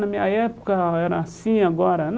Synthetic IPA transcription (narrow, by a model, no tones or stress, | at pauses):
namiajapu̥kajɾasĩaɡɔɾan